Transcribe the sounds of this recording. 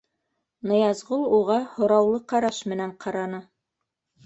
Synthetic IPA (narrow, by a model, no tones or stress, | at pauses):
nɤ̆jɑzʁulˠuʁɑhŏɾɑwlˠɤqɑɾɑʃmɘ̆næɴqʰɑɾɑnɤ